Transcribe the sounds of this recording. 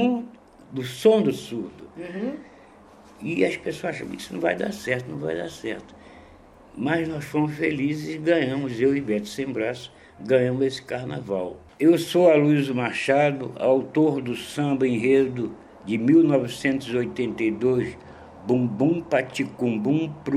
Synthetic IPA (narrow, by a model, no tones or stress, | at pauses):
ũ | d̪ʊsõd̪ʊsuɾd̪ʊ | ɪɐʃpesoɐzaʃɐ̃mki̥sʊnɐ̃vajd̪a̰ɾsɛɾt̪ʊnɐ̃w̃va̰jd̪a̰ɾsɛɾt̪ʊ̥ | mɐznɔsfoɾmʊsfelizɪzɡɐ̃ɲɐ̃mʊzewivɛt̪ɪ̥sẽbɾasʊ̥ | ɡɐ̃ɲɐ̃mʊzesɪ̥kaɾna̰vaw | ewsoaluizʊmaɾʃad̪ʊa̰wt̪oɾd̪ʊsɐ̃bɐẽj̃ɦed̪ʊ | d͡ʒɪmiwnɔvɪsẽnt̪ʊziojt̪ẽnt̪ejd̪ojs | bũbũpat͡ʃikũbũpɾ